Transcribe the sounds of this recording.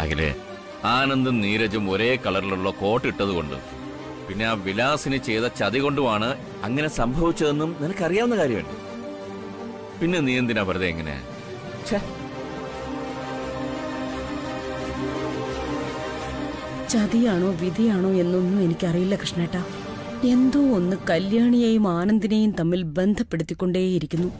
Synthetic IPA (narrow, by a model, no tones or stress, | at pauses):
ɐ̰ɣḭlḛ | aːnɐnd̪umniːɾɐd͡ʑumoɾe̞ːkɐɭɐriluɭːɐko̞ːʈːiʈːɐðuko̞̰ɳɖɨ̰ | pinːeaʋilaːsinɨt͡ɕejðɐt͡ɕɐðiɣo̞ɳɖumaːɳɨ | ɐŋːɐne̞sɐmbʱɐʋit͡ɕːɐðe̞nːumninɐkːɐrijaːʋɐnːɐkaːɾjɐmʋḛnɖɨ̰ | pinːe̞nijɐnd̪inapɐɾɐðeiŋːɐnḛa̰ | t͡ɕe | t͡ɕɐðijaːɳo̞ːʋid̪ʱijaːɳo̞ːe̞nːonːue̞nikʲːɨɐrijulːɐkrɨʂɳeːʈːaː | e̞nd̪uo̞nːɨkɐljaːɳijejumaːnɐnd̪inejumt̪ɐmːilbe̞nd̪ʱɐpːe̞ɽut̪ːikʲːo̞ɳɖeːjiɾikʲːunːu